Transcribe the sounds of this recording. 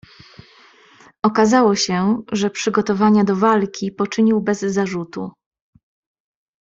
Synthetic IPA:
ʔɔkazawɔɕɛʐɛpʂɘɡɔt̪ɔvaɲad̪ɔvalkʲipɔt͡ʂɘɲiwbɛzːaʐut̪ṵ

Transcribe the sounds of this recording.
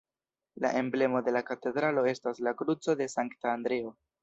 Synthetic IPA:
la̰ʔe̞mble̞mo̞de̞lakate̞dɾalo̞e̞staslakɾut͡so̞de̞saŋktaːndɾe̞o̞

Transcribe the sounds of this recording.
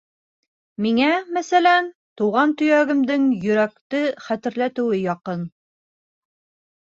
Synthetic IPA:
miŋæmæsælænt̪uʁɑnt̪ɵ̆jæɡɘ̆md̪ɘŋjɵ̆ɾækt̪ɘχæt̪ɘ̆ɾlæt̪ɘ̆wɘjɒqɤn

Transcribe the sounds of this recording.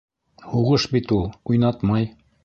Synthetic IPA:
huʁɤʃbit̪ulˠujnɑt̪mɑj

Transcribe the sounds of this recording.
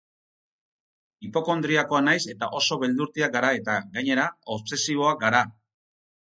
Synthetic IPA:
ipo̞ko̞nd̪ɾiako̞anajse̞t̪aʔo̞so̞βe̞ld̪uɾt̪iak̚ɡaɾae̞t̪aɡaɲe̞ɾaoβse̞siβ̞o̞ak̚ɡaɾa

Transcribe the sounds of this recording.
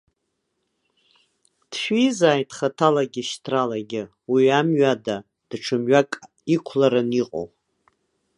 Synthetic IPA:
d̥ʃᶣiizaːjtʰʼχatʰalaɡʲɪʃtʰralaɡʲɪ | wiamɥada | d̥ʈ͡ʂʰɨmɥakʼ | ikʷʰlaɾaniqʼo̰w

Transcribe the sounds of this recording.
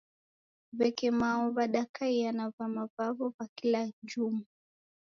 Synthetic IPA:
βɛkɛmaɔβaɗakaianavamavavɔkwakilad͡ʒumu

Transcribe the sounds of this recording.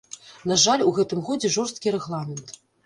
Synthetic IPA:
naʐalʲuɣɛt̪ɨmɣɔd͡zʲɛʐɔrst̪̚kʲiɾɛɣlˠamʲɛnt̪

